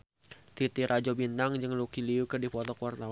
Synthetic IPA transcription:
t̪it̪iɾad͡ʒɔbint̪aŋd͡ʒɨŋlukiliukədipɔt̪ɔkuwart̪aw

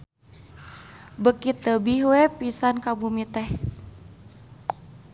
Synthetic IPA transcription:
bəkit̪əbihwɛpisankabumit̪ɛh

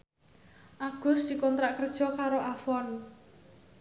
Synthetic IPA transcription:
ʔaɡ̥ʊ̤sd̪̥i̤kɔnt̪ɾaʔkərd̥ʒ̥ɔ̤kaɾoʔafɔn

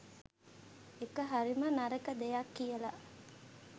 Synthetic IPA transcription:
ekəɦaɾimənaɾəkəd̪ejakːijəlaʔ

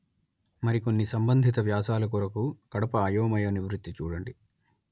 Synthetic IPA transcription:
mɐɾiko̞nːisɐmbɐnd̪ʱit̪ɐʋjaːsaːlɐk̬uɾɐkukɐɽɐpɐːjoːmɐjɐniʋɾut̪ːit͡ʃuːɽɐɳɖi

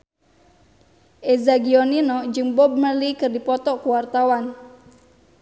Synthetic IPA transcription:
ʔezaɡiɔninɔd͡ʒɨŋbɔb̚məlikɨrdipɔt̪ɔkuwart̪awan

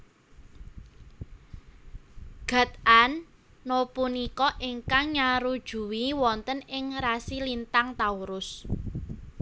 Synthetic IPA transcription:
ɡ̥ä̤t̪̚anː | opunikɔʔɪŋkaŋɲaɾud̥ʒ̥ṳwiwɔnt̪ənɪŋrasilint̪aŋt̪auɾʊs

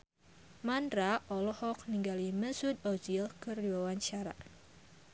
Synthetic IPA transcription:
mandɾaʔɔlɔhɔk̚niŋɡaliməsʊd̪ɔd͡ʒilkəriwawaɲt͡ʃaɾa̰

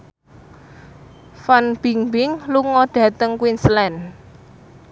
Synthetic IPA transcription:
fanb̥i̤ŋbɪŋluŋɔɖ̥ä̤t̪əŋkwinslɛn

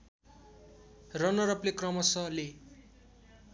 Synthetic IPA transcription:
rʌnʌɾʌplekrʌmʌsʌle

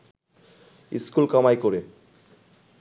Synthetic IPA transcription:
ḭskulkɔmajkoɾe

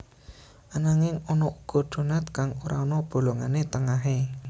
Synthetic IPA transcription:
ʔanaŋɪŋɔnɔʔuɡ̥ɔ̤ɖ̪̥o̤nat̪kaŋoɾaɔnɔb̥o̤loŋanet̪əŋaɦe

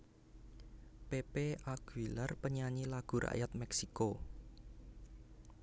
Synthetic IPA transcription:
pepeʔaɡ̥ilarpəɲaɲilaɡ̥ṳɾa̰ʔjat̪̚mɛksiko

